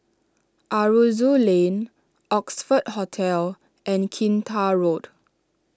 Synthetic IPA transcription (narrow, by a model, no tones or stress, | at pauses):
ʔaɹuzulẽn | ʔɔksfədhotʰɛl | ʔɛ̃nkʰĩntʰaɹod